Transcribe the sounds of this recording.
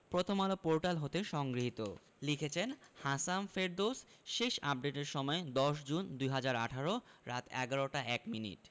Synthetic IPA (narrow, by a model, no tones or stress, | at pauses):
pɾot̪ʰomalopoɾʈalɦot̪eʃɔŋɡɾiɦit̪o | likʰet͡ɕʰenhasamfeɾd̪osʃeʃa̰p̚ɖeʈeɾʃɔmɔed̪ɔʃ̬d͡ʑund̪ujɦad͡ʑaɾa̰ʈʰaɾoɾat̪ɛɡaɾoʈaɛkminḭʈ